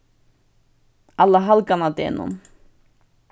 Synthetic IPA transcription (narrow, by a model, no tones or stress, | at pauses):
alːaɦalkanat̪ɛnʊ̰m